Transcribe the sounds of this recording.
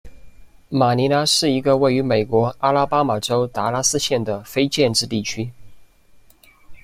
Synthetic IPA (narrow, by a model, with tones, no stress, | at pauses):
ma˨˩ni˧˥na˧˥ʂɻ̩˥˩i˧˥ɡə˧we˥˩ɪy˧˥me˨˩ɪkwɔ˧˥a˥la˥pa˥ma˨˩ʈ͡ʂo˥ʊt̪a˧˥la˥sɹ̩˥ɕjɛ˥˩nd̪ə˩fe˥ɪt͡ɕjɛ˥˧nʈ͡ʂɻ̩˥˧t̪i˥˩t͡ɕʰy˥